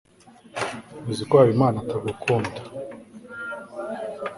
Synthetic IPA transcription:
muzikwaːwimaːnataɡukʰuːndḁ

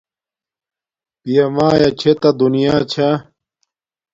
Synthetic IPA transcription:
pijɐmaːjɐt͡ɕʰet̪ɐd̪unijaːt͡ɕʰa

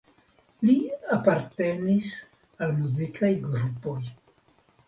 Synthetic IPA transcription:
liapaɾte̞nis | almuzikʰajɡɾupo̞j

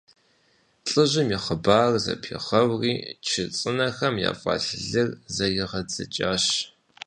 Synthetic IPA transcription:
ɬʼɨʑɪmiːχəbaːrzɐ̰pʰiχɐwriːt͡ʃʰɪt͡sʼɨnɐxɐmja̰ːfʷʼɑ̰ːɬɨɮɨrzɐjɪʁɐd͡zɐ̰t͡ʃʼaːɕ

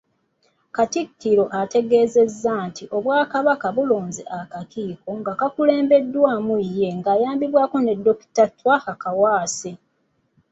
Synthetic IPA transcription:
katiktiɾo̞ʔate̞ɡe̞ːzezːantiʔo̞βwaːkaβakaβuloːnzḛʔakakʰiːko̞ŋɡakakule̞ːmbe̞dːwaːmujːe̞ŋɡaːjaːmbiβwaːko̞ne̞dːo̞ki̥tatːwakakawaːse

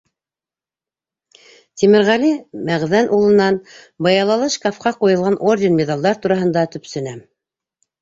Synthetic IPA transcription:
t̪ʲimɘ̆ɾʁælimæʁðænʔulˠɤ̆nɑn | bɑjɑlˠɑlˠɤʃkɑfqɑqujɤ̆lˠʁɑnʔordʲenmʲed̪alˠd̪ɑɾt̪uɾɑɦɤ̆nd̪ɑt̪ɵ̆psɵ̆næm

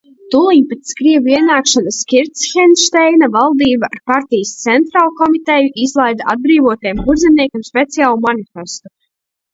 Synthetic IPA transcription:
t̪ulˠiɲpɛt̪skɾiɛvuiɛnaːkʃanaskʲiɾt̪sxʲɛnʃt̪ɛjnavalˠd̪iːbaaɾpaɾt̪ijəst̪sɛnt̪ɾaːlˠkɔmit̪ɛjuʔizlˠajd̪aad̪̚bɾiːvɔt̪ɛjɛmɡuɾd̪zɛmniɛkʲamspʲet̪sijaːlˠumanifʲɛst̪u̥

